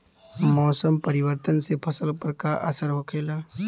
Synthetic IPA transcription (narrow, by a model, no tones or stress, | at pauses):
mɔːsəmpəɾɪwəɾt̪ənsepʰɐsəlpəɾkaʔə̰səɾɦokʰeːlaː